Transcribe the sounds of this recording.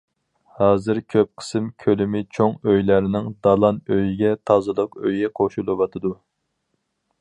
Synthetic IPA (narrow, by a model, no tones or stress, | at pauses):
hɑːzɨɾkʲʰøp̚qʰə̥sɨmkʲʰølɪmɪt͡ʃʰoŋøjlæɾɪnɪŋd̪ɑlˠɑnøjiɡʲɛt̪ʰɑzɨlˠɨqø̰jɛqʰoʃulˠɨwɑt̪ʰɨd̪u